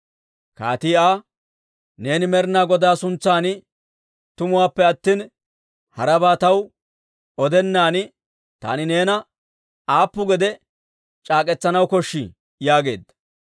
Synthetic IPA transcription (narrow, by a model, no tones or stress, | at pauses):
ka̰ːt̪iːaː | ne̞ːnɪmɛɾnaːɡɔd̪aːsʊnt͡sːaːnɪ | t̪ʊmʊwaːpːɛɐt̪ːiːn | hɐɾɐbaːt̪ɐw | ɔd̪ɛnːaːnɪ | t̪a̰ːnɪne̞ːnɐ | aːpːʊɡɛd̪ɛ | t͡ʃʼaːkʼɛt͡sːɐnɐwkɔʃːɪ | jaːɡe̞̰ːd̪ɐ̥